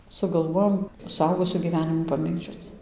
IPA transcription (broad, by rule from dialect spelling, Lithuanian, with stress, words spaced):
sʊɡɐlˠˈʋoːjoːm sʊˈɐʊɡʊsʲuː ɡʲiːˈʋʲæːnʲɪmuː pɐˈmʲeːɡd͡ʒʲoːt͡s